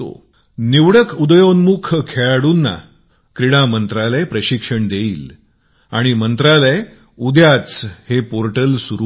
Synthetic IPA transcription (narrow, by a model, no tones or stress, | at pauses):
o̰ | niʋɽəkʰud̪əjonmukʰkʰeɭaɽuːnːa̰ | kɾiɽ̃amənt̪ɾalepɾəɕikʂəɳd̪eiːl | a̰ɽ̃imənt̪ɾale | ud̪ʱjat͡shepoɾʈəlsuɾu